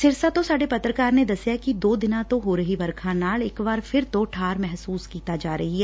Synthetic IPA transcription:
sɪɾsat̪osaːɽepɐt̪ɾəkaːɾned̪ɐsjakid̪oːd̪ɪnãt̪oɦoːɾɐɦibɐɾkʰãnaːɭɪkbaːɾfɪɾt̪oʈʰaːɾmɛɦsuːskiːt̪ad͡ʒaːɾɐɦiɦɛː

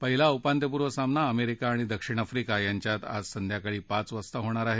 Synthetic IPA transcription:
pəɦilaupant̪jəp̬uɾʋəsamnaəmeɾikaːɽ̃id̪əkʂiɽ̃afɾikajaɲt͡ɕjat̪a̰d͡zsənd̪ʱjakaɭiːpat͡sʋəst̪əɦoɽ̃aɾaɦe

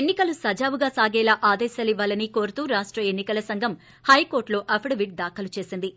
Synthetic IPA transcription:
enːikɐlusɐd͡ʒaːʋuɡaːsaːɡɛːlaʔaːd̪ɛːʃɐːliʋːaːlɐniko̞ːɾut̪uːɾaːʂʈɾɐenːikɐlɐsɐŋɡʱɐm | hɐjko̞ːɾʈlo̞ːʔɐpʰɽɐʋiʈ̚d̪aːkʰɐlut͡ʃe̞ːsind̪i

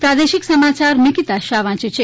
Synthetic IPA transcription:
pɾad̪eʃiksəmat͡ʃaɾmikit̪aʃaʋãt͡ʃet͡ʃʰe

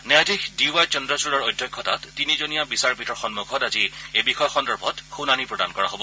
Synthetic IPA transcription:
nɛadixdiuajt͡ʃɔndɹɔsulɔɹojdʱjɔkʰːɔta̰tːinizonijabisaɹpitɔɹxɔnmuɡʱɔtaziejbixɔjɔxɔndɔɹbʱɔtxunanipɹɔda̰nkɔɹaɦobɔ

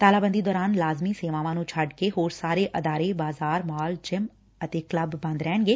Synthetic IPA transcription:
t̪aːlaːbə̃nd̪id̪ɔːɾaːnlaːzmiseːʋãːʋãːnũːt͡ʃʰɐɖkeɦoːɾsaːɾeʔɐd̪aːɾebaːzaːɾmɔːld͡ʒɪm | ət̪ekləbːɐ̃nd̪ɾɛːɳ̃ɡeː

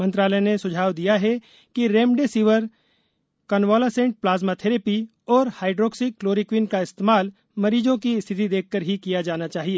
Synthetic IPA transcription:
mɐ̃nt̪ɾaːlɛnesʊd͡ʒʱaːwd̪ijaɦɛ | kiɾẽːmɖesiʋəɾ | kɐnwaːlasẽːɳʈ̚plaːzmat̪ʰeɾepi | ɔːɾhaːɪɖɾoːksɪkːloːɾikwiːnkaɪst̪eːmaːl | mɐɾiːd͡ʒõkiɪst̪ʰɪt̪id̪eːk̚ʰkəɾɦikijad͡ʒaːnat͡ʃaːɦieː

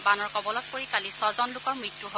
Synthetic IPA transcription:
banɔɹkɔbɔlɔt̚poɹikalisɔzɔnlʊkɔɹmɹitːuɦo

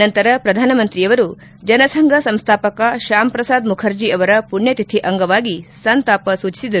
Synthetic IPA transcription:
ɐnt̪ɐɾɐpɾɐd̪ʱaːnɐmɐnt̪ɾijɐʋɐɾu | d͡ʒɐnɐsɐŋɡʱɐsɐmst̪ʰaːpɐkɐʃaːmpɾɐsaːd̪mukʰɐɾd͡ʒiʔɐʋɐɾɐpuɳjɐt̪it̪ʰiʔɐŋɡɐʋaːɡisɐnt̪aːpɐsuːt͡ʃi̥sid̪ɐɾu

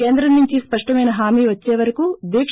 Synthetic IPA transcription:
eːnd̪ɾɐnːuɲt͡ʃispɐʂʈɐmɐjnɐɦaːmiːʋɐt͡ʃːeːʋɐɾɐkud̪eːkʂ

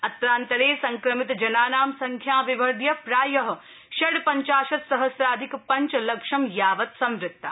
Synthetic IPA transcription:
ɐt̪ɾaːnt̪ɐɾeːsɐŋkɾɐmit̪d͡ʒɐnaːnaːmsɐŋkʰjaːʋiʋɐɾd̪ʱjɐpɾaːjɐɦɐ | ʃɐɽpɐɲt͡ʃaːʃɐt̪sɐɦɐsɾaːd̪ʱikpɐɲt͡ʃlɐkʃɐmjaːʋɐt̪sɐ̃mɾɪt̪ːa

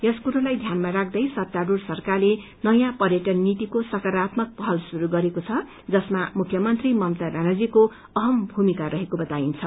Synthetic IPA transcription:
jʌskuɾʌlajd̪ʱjanmaɾak̚ʰd̪ʌjsʌt̪ːadursʌrkarle | nʌjãpʌrjʌʈʌrnit̪ikosʌkʌɾat̪mʌk̚pʌɦʌlsuɾuɡʌɾekot͡sʰʌ | d͡zʌsmamukʰjʌmʌnt̪rimʌmt̪abanad͡ziko | ʌɦʌmbʱumikaɾʌɦekobʌt̪aint͡sʰʌ

